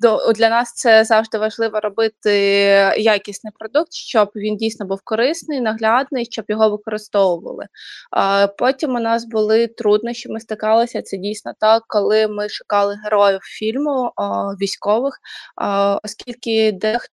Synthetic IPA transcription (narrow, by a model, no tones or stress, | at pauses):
d̪ud̪lʲɐnɑst̪sɛzɑwʒd̪ɪʋɐʒlˠɪʋɔɾɔbɪt̪ɪjakʲisʲnɪjpɾɔd̪uk̚t̪ʃt͡ʃɔbʋʲindʲijsʲnɔbuwkɔɾɪsnɪjnɐɦlʲad̪nɪjʃt͡ʃɔbjɔɦɔʋɪkɔɾɪst̪ɔwʊʋɐ̰lˠɪ̰ | pɔtʲimʊnɑsbʊlˠɪt̪ɾud̪nɔʃt͡ʃɔmɪst̪ɪkɑlˠɔsʲɐt̪sɛdʲijsʲnɔt̪ɑkːɔlˠɪmɪʃʊ̥kɑlˠɪɦeɾɔjʊwfʲilʲmʊʋʲisʲkɔʋɪx | ɔskʲilʲkʲɪd̪ɛx